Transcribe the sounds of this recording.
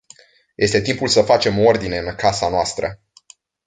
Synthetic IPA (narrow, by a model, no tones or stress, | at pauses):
jʔe̞st̪e̞t̪impulsəfat͡ʃe̞moo̞rd̪ine̞ɨnkasanoast̪ɾə̰